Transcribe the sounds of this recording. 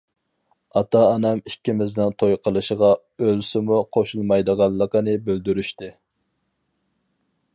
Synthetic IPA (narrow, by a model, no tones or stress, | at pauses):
ɑt̪ɑːnɛmikʲːimɪznɪnt̪ʰojqʰəlˠɨʃəʁɑ | ølsɪmuqʰoʃulˠmɑjd̪əʁɑlˠːəqənɨbøld̪yɾyʃt̪ɪ